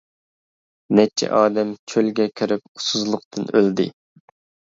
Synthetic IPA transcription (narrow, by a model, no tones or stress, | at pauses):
nɛt͡ʃʰɛ̰ʔɑːd̪ɛmt͡ʃʲʰølɡʲɛkʲʰyɾɪp̚u̥suzlˠʊqt̪ʰɨnøld̪ɪ̰